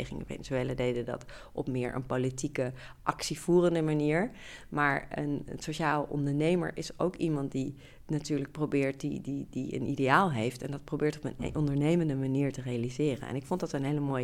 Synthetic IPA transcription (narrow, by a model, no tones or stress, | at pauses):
jχɪŋə̰fḛnəsejlədejdədɑ̰t | ʔɔpmɪːɹʔə̰npolitikəʔɑksiv̥uːrəndəmaniːɹmaːɹə̰nsoʃaːləʔɔ̰ndəɹnejmə̰ɹʔɪso̰wkimɑntdi | natyːɹlək̚probɪːɹt̚dididiə̰nʔidejaːlˠɦejftɛndɑt̚prowbɪːɹtɔpənʔɔndəɹnejməndəmaniːɹtərejalizɪːrə̰nɛ̰nɪkfɔntdɑtəənɦeɪjləmoːj